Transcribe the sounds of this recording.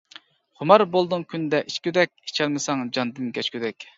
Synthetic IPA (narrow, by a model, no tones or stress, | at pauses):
χʊmɑɾbolˠd̪ɨŋkʲʰynd̪ɛʔiʃkʲyd̪ɛk̚ʲit͡ʃʰɛlmɪsɑŋd͡ʒɑnd̪ɨmkʲʰɛt͡ʃkʲyd̪ɛkʲ